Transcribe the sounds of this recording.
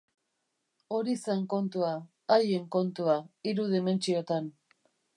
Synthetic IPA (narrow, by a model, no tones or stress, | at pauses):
o̞ɾisaŋko̞nt̪uaː | jeŋko̞nt̪uaiɾuð̞ime̞nt͡ʃiot̪an